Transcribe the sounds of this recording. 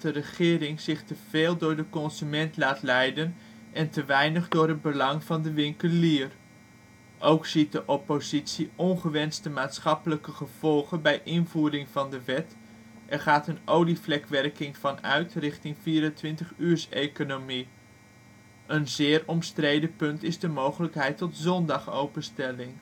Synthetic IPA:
tdərəχɪːɾɪŋz̥ɪχtəv̥eːlˠdʊːɹdəkɔnzymɛntlaːtlɛjdən | ʔɛntəʋɛjnəχdʊːɹɦəd̚bəlɑŋvɑndəʋɪŋkəliːər | ʔowksit̚dəʔɔpozitsiʔɔnχəʋɛnstəmaːtsχɑpələkəχəv̥ɔlˠχənbɛjʔɪnvuːɾɪŋvɑndəʋɛt | ʔɛɹχaːtənʔowliflɛkʋɛrkɪŋvɑnœ̰ɥtrɪχtɪŋviːɾəntʋɪntəχyːɹsejkonomi | ənzɪːrɔmstrejdəpɵntɪzdəmowχələkɦɛjtɔtzɔndɑχo̰wpənstɛlɪŋ

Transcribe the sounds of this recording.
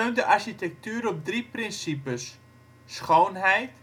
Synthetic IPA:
øɥndəʔɑɹʃitɛk̚tyːɾɔp̚driprɪnsipəsː | χownɦɛjt

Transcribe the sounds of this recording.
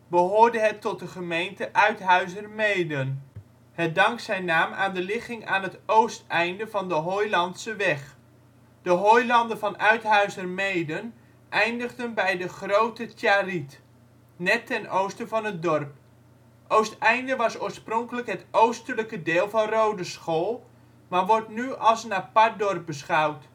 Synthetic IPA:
bəɦoːɹdəɦətːɔt̚dəχəmejntəʔœɥtɦœɥzərmejdən | hɛt̚dɑŋksɛjnːaːmʔa̰ːndəlɪχɪŋa̰ːnɦətowstɛjndəvɑndəɦojlɑntsəʋɛχ | d̥əɦojlɑndəvɑnœɥtɦœɥzərmejdən | ʔɛjndəχdənbɛjdəχrowtətjaːrit | nɛtːɛnowstəvɑnət̚dɔrp̚ | ʔowstɛjndəʋɑsoːɹsprɔŋkələkɦətʔowstələkədeːlˠvɑnrowdəsχoːlˠ | maːɹʋɔɹtnyɑlˠsənapɑɹt̚dɔrp̚bəsχɑwt

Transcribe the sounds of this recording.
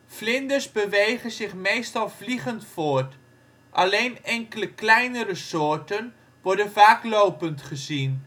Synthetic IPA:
flɪndərzbəʋejχəzɪχmejstɑlˠvliχəntfoːɹt | ʔalejnɛŋkələklɛjnəɾəsoːɹtən | ʋɔɹdənvaːklowpəntχəzin

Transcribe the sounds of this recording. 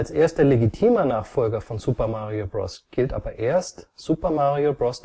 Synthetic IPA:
lsʔeːɐstd̥ɛleɡitʰiːmɐnaːχfɔlɡɐfɔnzupɐmaʁiobʁɔ̰sɡ̥ɪltʔa̰ːbɐʔeːɐstz̥uːpɐmaʁiobʁɔst

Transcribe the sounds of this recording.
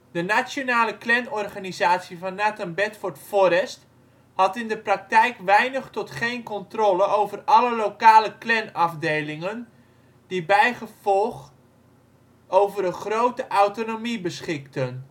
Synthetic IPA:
d̥ənasjonaːləklɛnɔrχanizaːsivɑnːatənbɛtfɔɹtfɔɾɛst | hɑtɪndəprak̚tɛjkʋɛjnəχtɔtχejnkɔntrɔləowvərɑləlowkaːləklɛnɑfdejlɪŋən | dibɛjχəv̥ɔlˠχ | owvəɾəχrowtəʔawtonomibəsχɪktən

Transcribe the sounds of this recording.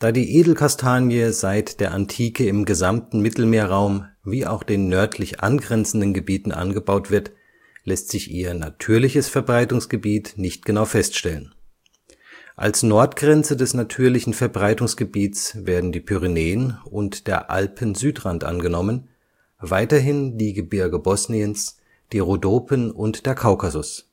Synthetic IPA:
d̥aːdiːʔeːdl̩kʰastʰaːnjəzaɪtd̥eːɐʔantʰiːkəɪmɡəzamtn̩mɪtl̩meːɐʁaʊmviːʔa̰ʊxd̥eːnːœɐtʰlɪçʔa̰nɡʁɛnt͡sn̩dənɡəbiːtn̩ʔa̰nɡəbaʊtv̥ɪɐt | lɛstz̥ɪçʔiːɐna̰tʰyːɐlɪçəsfɛɐbʁaɪtʊŋsɡ̥əbiːtnɪçt̚ɡ̥ənaʊfɛstʃtɛlən | ʔa̰lsnɔɐtɡ̥ʁɛnt͡sədɛsnatʰyːɐlɪçn̩fɛɐbʁaɪtʊŋsɡ̥əbiːtt͡sveːɐdn̩diːpʰyʁineːənʊntd̥eːɐʔa̰lpʰən̩zyːtʁantʔa̰nɡənɔmən | vaɪtɐɦɪndiːɡəbɪɐɡəbɔsniəns | d̥iːʁodoːpʰənʊntd̥eːɐkʰaʊkazʊs

